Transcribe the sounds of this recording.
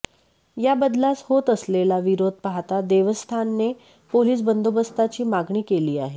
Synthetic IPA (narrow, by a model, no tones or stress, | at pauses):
jabəd̪lat͡shot̪əslelaʋiɾod̪̚ʱpaɦt̪ad̪eʋəst̪ʰanːe | poliːs̬bənd̪obəst̪at͡ɕiːmaɡɳiːkeliːa̰ɦe